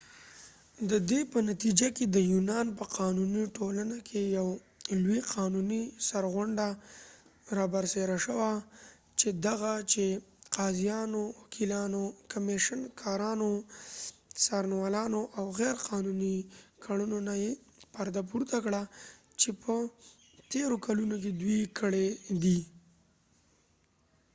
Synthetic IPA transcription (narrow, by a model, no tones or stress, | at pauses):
d̪əd̪epənat̪id͡ʒaked̪əjunɑnpəqɑnuniʈolanakʰejaw | lwiqʰɑnunisaɾɣʊɳɖa | ɾɑbaɾseɾaʃəwa | t͡ʃed̪aɣat͡ʃeqɑzijɑnowakʰilɑnokameʃənkʰɑɾɑno | sɑɾnwɑlɑnoʔawɣɛɾqɑnunikʰaunonaje | paɾd̪ap̬uɾt̪akɽa | t͡ʃepʰə | t̪eɾokalunok̬ed̪wikʰəɽed̪i